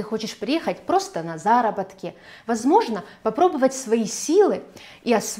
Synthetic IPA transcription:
ɨxo̞t͡ɕɪʂpɾʲɪjexətʲpɾo̞st̪ənɐzaɾəbɐt̪kʲɪ | vɐzmo̞ʐnəpɐpɾo̞bəvətʲsvɐisʲilˠɨ | iɐs

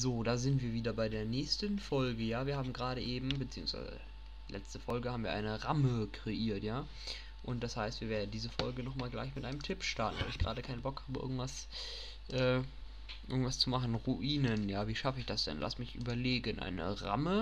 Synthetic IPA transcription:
zoːdaːzɪntv̥iːɐviːdɐbaɪdeːɐnɛːçstənfɔlɡəjaːviːɐhaːbm̩ɡʁaːɾəʔeːbm̩bət͡siːʊŋsv̥a̰ɪzə̰ | lʔɛ̰t͡stəfɔlɡəhaːbm̩viːɐʔa̰ɪnəʁaməkʁ̥eʔiːɐtjaː | ʔʊnt̚d̥ashaɪstv̥iːɐveːɐdn̩diːzəfɔlɡənɔχmaːlɡla̰ɪçmɪtʔaɪnəmtʰɪpʃtaɐtn̩va̰lɪçɡ̥ʁa̰ːɾəkʰaɪnənbɔkhaːbəʔɪ̰ɐɡŋ̩tv̥as | ʔɛː | ʔɪ̰ɐɡŋtv̥ast͡sumaχn̩ʁuʔiːnənjaːviːʃafəɪçd̥asd̥ɛ̰nla̰smɪçʔy̰ːbɐleːɡənʔa̰ɪnə̰ʁa̰mə

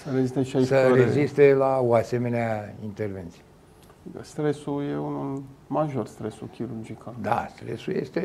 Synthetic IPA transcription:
səɾezist̪eʃasəɾezist̪e̞laoase̞me̞neaint̪erve̞nt̪sije | st̪ɾesujeunumaʒo̞rst̪ɾesukʲʰiɾurd͡ʒikad̪a̰st̪ɾe̞̰suje̞̰st̪e

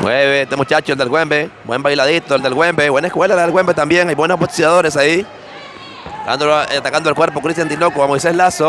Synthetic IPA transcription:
mweβest̪emut͡ʃat͡ʃoeld̪elɡwembebwḛmbajlaðit̪oeld̪elɣwembebwenaeskwelalaðelwembet̪ambje̞ŋajbwenosbot̪i̥siaðoɾe̞sai | d̪a̰nd̪oloat̪akand̪oelkwe̞ɾpo̞kɾist̪jant̪inokoamojseslaso

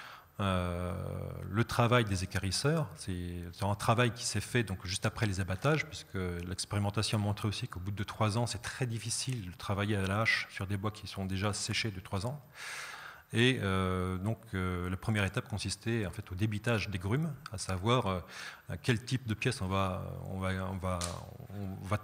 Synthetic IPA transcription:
ø | lət̪χavajd̪ezekaʁisœːʁsɛsəɛ̃t̪χavajkʲi̥sɛfɛd̪ɔ̃kʒyst̪apχɛlezabat̪aʒpɥisə̥kəlɛkspeʁimɑ̃t̪asjɔ̃mɔ̃t̪χeosikobud̪ət̪χwazɑ̃sɛt̪χɛd̪ifisild̪ət̪χavajealaːʃsyʁd̪ebwakʲʰisɔ̃d̪eʒasɛʃed̪ət̪χwazɑ̃ | eød̪ɔ̃kʰølapχəmjɛʁet̪ap̚kɔ̃sist̪ɛɑ̃fɛt̪od̪ebit̪aʒd̪eɡʁymasavwaːʁøakʲɛlt̪ipd̪əpjɛsɔ̃vaø̰ɔ̰̃vaɔ̰̃vaɔ̃va

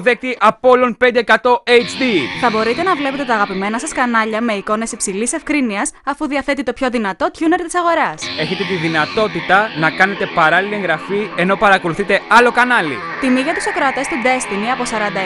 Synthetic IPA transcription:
ðek̚t̪iʔɐpo̞lonpe̞nd̪eːkɐt̪o̞ejt͡ʃd̪iθɐbo̞ɾit̪e̞nɐvle̞pe̞t̪e̞t̪ɐːɣɐpime̞nɐsɐskɐnɐʎɐme̞iko̞ne̞sipsilise̞fkɾiniɐsɐfuðiɐθe̞t̪it̪o̞pço̞ðinɐt̪o̞t̪çune̞ɾt̪i̥sɐɣo̞ɾɐse̞çe̞t̪e̞t̪iðinɐt̪o̞t̪it̪ɐnɐkɐne̞t̪e̞pɐɾɐlilieŋɣɾɐfie̞no̞pɐɾɐko̞luθit̪e̞ɐlo̞kɐnɐlḭ | t̪imiʝɐt̪uso̞kɾoɐt̪e̞st̪id̪e̞st̪iniɐpo̞sɐɾɐnd̪ɐ

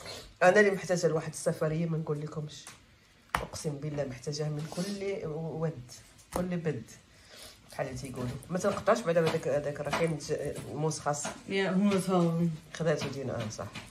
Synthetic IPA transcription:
ʔænæliməħt̪æʒælwaħəd̪əsːæfɑɾəjːamænɡulːikʊmʃ | ʔə̰qsəmbəlːæməħt̪æʒæhmənkʊlːwæd̪ | kʊlːbæd̪ | ħalːæt̪ijɡulumæt̪ənqɑ̥t̪ˤːɑʃbaʕd̪ææd̪ækhd̪ækrˤːɑkinmusxɑsˤːɑ̥jæhʊmːæt̪fɑxæd̪æʔt̪ud̪inʔæ̰nsˤɑ̰ħ

